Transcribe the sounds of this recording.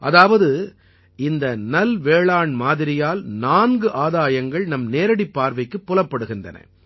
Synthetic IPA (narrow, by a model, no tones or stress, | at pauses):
ʔɐðaːʋɐðɯ | ɪnd̪ɐnɐlʋeːɭaːɳmaːðɪɾɪjaːlnaːnɡɯʔaːðaːjɐŋɡɐɭnɐmneːɾɐɽipːaːɾʋɐɪkːɯpːɔlɐpːɐɽɯɣɪndrɐ̰nɐ̰